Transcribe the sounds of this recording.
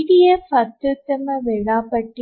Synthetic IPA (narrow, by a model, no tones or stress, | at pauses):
ðijefɐt̪ːut̪ːɐmɐʋeɻaːpɐʈːi